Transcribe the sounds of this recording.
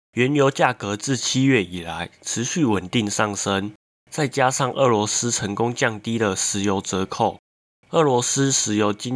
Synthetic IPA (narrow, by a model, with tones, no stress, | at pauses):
ɥɛ˧˦njo˧˥ʊt͡ɕja˥˩kɤ˧˦t͡sɹ̩˥˨t͡ɕʰi˥ɥɛ˥˩i˨˩la˨˦ɪʈ͡ʂʰɻ̩˧˦ɕy˥˩wə˨˩nt̪i˥˧ŋsɑ˥˩ŋʂə˦n | t͡sa˥˩ɪt͡ɕja˦ʂɑ˥˨ŋʔə˥˩lwɔ˧˥s̩˥ʈ͡ʂʰə˧˥ŋkʊ˥ŋt͡ɕjɑ˥˩ŋt̪i˥d̪ə˨ʂɻ̩˧˥jo˧˥ʊt͡sə˧˥kʰo˥˩ʊ | ə˥˩lwɔ˧˥s̩˥ʂɻ̩˨˩jo˧˥ʊt͡ɕi˦